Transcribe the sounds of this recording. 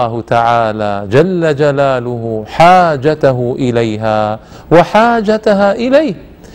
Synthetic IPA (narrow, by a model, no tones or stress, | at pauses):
aːhʊt̪aʕaːlaːd͡ʒalːad͡ʒalaːlʊɦʊħaːd͡ʒat̪aɦʊʔɪlajɦaː | waħaːd͡ʒat̪aɦaːʔɪlajh